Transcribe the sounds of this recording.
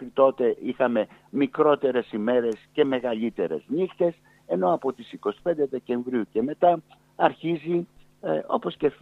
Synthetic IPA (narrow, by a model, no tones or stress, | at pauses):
ɾit̪o̞t̪e̞ʔixɐme̞mikɾo̞t̪e̞ɾe̞sime̞ɾe̞sce̞me̞ɣɐlit̪e̞ɾe̞̰znixt̪e̞s | e̞no̞ɐpo̞t̪isiko̞si̥pe̞nd̪eðe̞ce̞ɱvɾiuce̞me̞t̪ɐ | ɐɾçizi | o̞po̞sce̞f